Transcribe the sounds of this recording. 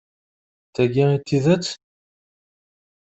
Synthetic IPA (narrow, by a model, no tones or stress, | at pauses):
θæɡiit̪ːiðæt͡s